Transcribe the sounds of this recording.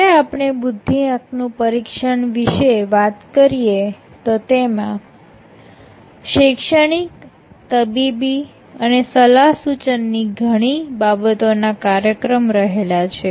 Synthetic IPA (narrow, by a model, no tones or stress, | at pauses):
eapɳ̃ebud̪ʱːiãknũpəɾikʃəɳʋiʃeʋat̪kəɾije | t̪ot̪emã | ʃekʃəɽ̃ik | t̪əbibi | ənesəlaɦsut͡ʃənːiɡʱəɽ̃ibabət̪onakaɾjəkɾəmɾəɦelat͡ʃʰe